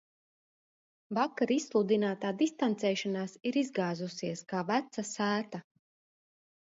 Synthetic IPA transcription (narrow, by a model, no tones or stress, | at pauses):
vakaɾisːlˠud̪inaːt̪aːd̪ist̪ant̪sɛːʃanaːsiɾizɡaːzusiɛskaːvæt̪sasæːt̪a